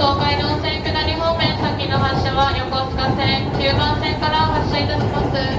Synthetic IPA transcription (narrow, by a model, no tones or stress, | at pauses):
t̪oːkaid̪õsẽŋkɯnaɾʲimomẽsakːinoɦaɕːaβajokoskasẽ | ɲɯːkãñsẽŋkaɾaɦaɕːait̪aɕimasɨ